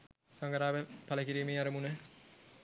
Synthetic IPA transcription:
kaŋɡaɾaːʋæpaləkiɾiːmeːɐɾəmunə

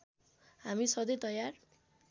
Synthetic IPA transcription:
ɦamisʌd̪ʌjt̪ʌjar

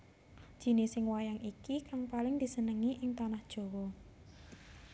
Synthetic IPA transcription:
d̥ʒ̥i̤nɪsɪŋwajaŋʔikikaŋpalɪŋd̪̥i̤sənəŋiʔɪŋt̪anahd̥ʒ̥o̤wɔ

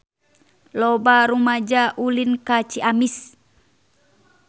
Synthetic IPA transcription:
lɔbaɾumad͡ʒaʔulinkat͡ʃiʔamis

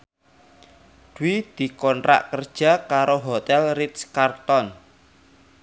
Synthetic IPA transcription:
d̪̥uwid̪̥i̤kɔntɾa̰ʔkərd̥ʒ̥a̤kaɾoɦot̪ɛlrit̪skart̪ɔn

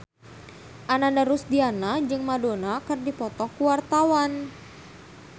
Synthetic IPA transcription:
ʔanandaɾusdianad͡ʒɨŋmadonakɨrdipɔt̪ɔkuwart̪awan

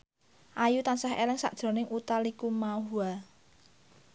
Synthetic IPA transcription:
ʔajut̪ansaɦḛlɪŋsa̰ʔd̥ʒ̥ɾɔ̤nɪŋʔut̪alikumaɦua

